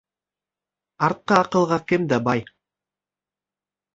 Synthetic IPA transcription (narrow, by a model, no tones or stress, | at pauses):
ɑɾt̪̚qɑːqɯ̆lˠʁɑkemd̪ɑbɑj